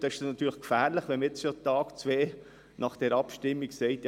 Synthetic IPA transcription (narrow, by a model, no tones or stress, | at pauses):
d̥ɑɪʃdnɑt̪yːɾləχkfæːɾləχʋɛnməet͡sʃotɑːkt͡sʋeː | nʔɑχd̥ɛɾɑpʃtɪmːiksɛɪtj